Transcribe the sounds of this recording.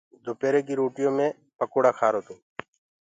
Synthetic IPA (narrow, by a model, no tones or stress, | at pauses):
d̪oːpeːɾeːkiːɾoːʈɪjõːmẽː | pəkoːɽaːkʰaːɾoːt̪ũː